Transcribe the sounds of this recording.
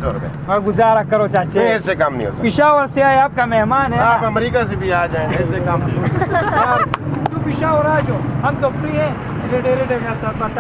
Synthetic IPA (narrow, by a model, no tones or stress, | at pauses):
o̰ːɾd̪ḛ | ɔɾɡʊzaːɾakɐɾot͡ʃaːt͡ʃesekɐmnɐ̰ḭ̃ɦo̰ːt̪apɪʃaːʋəɾseaːeaːp̚kamɛɦmaːnɦɛaːpɐmɾiːkasebʱiaːd͡ʒaːẽeɪsekamnĩɦo | t̪upɪʃaːʋəɾaːd͡ʒoːɦɐmt̪okɾiɦɛ̃ | seɖeːɾeɖeːkasaːt̪bɐt̪a